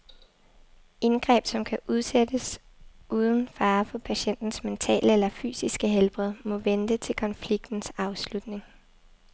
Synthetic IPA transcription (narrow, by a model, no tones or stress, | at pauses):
ʔe̝nɡ̥ʁɛ̰ːb̥sɒ̽mkʰæʔuð̞ˠsed̥əs | ʔuːð̞ˠən̩fɑ̈ːfɒ̽pʰæɕen̰d̥n̩sment͡sʰɛ̰ːləelɐfy̰ːsisɡ̥əɦelb̥ʁɛð̩ˠmɔ̽ʋend̥ət͡sʰe̝lkʰɒ̽nfliɡ̥̚d̥n̩sɑ̈ʊslud̥ne̝ŋ